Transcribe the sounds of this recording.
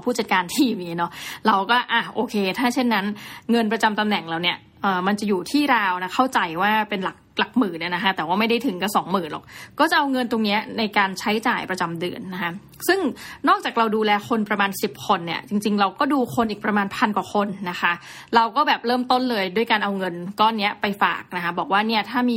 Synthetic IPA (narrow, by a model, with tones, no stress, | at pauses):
wpʰuː˥˩t͡ɕa˨˩t̪̚kaː˧nt̪ʰiː˥˩miː˦˥nɔ˦˥ɾa˧wkɔː˥˩ʔa˨˩ʔoː˧kʰeː˧t̪ʰaː˥˩t͡ɕʰe˥˩nːa˦˥nŋɤ˧npɾa˧t͡ɕa˧mt̪a˧mnɛ˨˩ŋlɛː˦˥wni˥˩ɐ | ʔɤː˨˩ma˧nt͡ɕa˨˩juː˨˩t̪ʰiː˥˩ɾaː˧wna˦˥kʰa˥˩wt͡ɕa˧jwaː˥˩pe˧nla˨˩k̚la˨˩k̚mɯː˩˦ni˥˩na˦˥kʰa˦˥t̪ɛː˨˩waː˥˩ma˥˩jda˥˩jt̪ʰɯ˨˩˦ŋka˧˩sɔː˩˦ŋmɯː˨˩lɔ̰˨˩k̚kɔː˥˩t͡ɕa˨˩ʔa˧wŋɤ˧nt̪o˧ŋni˦˥ɐna˧jkaː˧nt͡ɕʰa˦˥jt͡ɕaː˨˩jpɾa˧t͡ɕa˧mdɯ˧˩ənːa˦˥kʰa˦˥ | sɯ˥˩ŋnɔː˥˩k̚t͡ɕaː˨˩k̚ɾa˧wduː˧lɛː˧kʰo˧npɾa˧maː˧nsi˨˩p̚kʰo˧nːi˥˩ɐt͡ɕi˧ŋt͡ɕi˧ŋɾa˧wkɔː˥˩duː˧kʰo˧nʔi˨˩pɾa˧maː˧npʰa˧nkwaː˨˩kʰo˧nːa˦˥xʰa˦˥ʔ | ɾa˧wkɔː˥˩bɛː˨˩p̚ɾɤː˥˩mt̪o˥˩nlɤː˧jdu˥˩əjkaː˧nʔa˧wŋɤ˧nkɔː˥˩nːi˦˥ɐpa˧jfa̰ː˨˩k̚na˦˥kʰa˦˥bɔː˨˩k̚waː˥˩ni˥˩ɐt̪ʰaː˥˩miː˧